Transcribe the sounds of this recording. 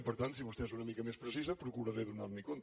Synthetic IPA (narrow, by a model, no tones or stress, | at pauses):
pəɾt̪ant̪siβust̪eezunəmikəmespɾəsizəpɾukuɾəɾeðunaɾmikont̪